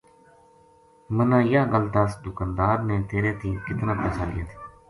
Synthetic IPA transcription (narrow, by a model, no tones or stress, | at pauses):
mənãːɪjaːɡəlt̪asd̪ʊkaːnd̪aːɾneːt̪eːɾeːt̪ĩːkɪt̪nãːpəːsaːlɪ̰jaːt̪ʰi̥ː